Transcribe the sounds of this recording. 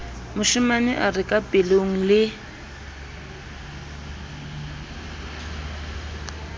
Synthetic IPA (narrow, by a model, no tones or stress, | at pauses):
mʊʃimanɪʔarɪkʼapʼɪloŋ̩lɪ